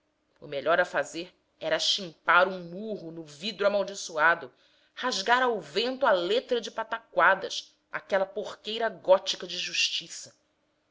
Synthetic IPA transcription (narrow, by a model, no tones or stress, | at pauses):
ʊ̰meʎɔɾɐfazeɾ | ɛɾɐʃĩmpaɾũmuɦʊnʊvid̪ɾamawd͡ʒisuad̪ʊ | haʒɡaɾawvẽnt̪ʊalet̪ɾɐd͡ʒɪpat̪akwad̪ɐʃ | a̰kɛlɐpoχkejɾɐɡɔt͡ʃikɐd͡ʒɪʒuʃt͡ʃisɐ̥